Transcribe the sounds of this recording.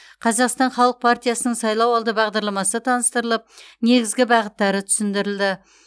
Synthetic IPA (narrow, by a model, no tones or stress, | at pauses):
qʰɑzɑqst̪ɑɴχɑlˠəq̚pʰaɾt̪ijasənəɴsɑjlˠɑwɑlˠd̪əbɑʁd̪ɑɾlˠɑmɑsət̪ʰɑnəst̪əɾəlˠəp̚ne̞ɡʲɪzɡʲɪbɑʁət̪ːɑɾət̪ʰʏ̥sɪnd̪ɪɾɪld̪ɪ